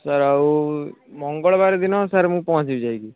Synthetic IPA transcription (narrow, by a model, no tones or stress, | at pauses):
səɾaumɔŋɡɔɭbaɾed̪inɔsaɾemũːpɔɦɔ̃t͡ʃibid͡ʒajɡi